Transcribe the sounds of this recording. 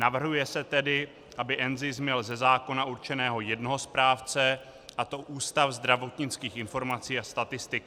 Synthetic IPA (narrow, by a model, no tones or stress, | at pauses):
navr̩ɦujɛsɛt̪ɛdɪ | ʔabɪʔɛnzɪsmɲɛlzɛzaːko̞naʔuɾt͡ʃɛnɛːɦo̞jɛdnoɦo̞spɾaːft͡sɛ | ʔat̪o̞ʔuːst̪afzd̪ɾavo̞t̪ɲɪt͡skiːxɪnfo̞ɾmat͡siːast̪at̪ɪst̪ɪk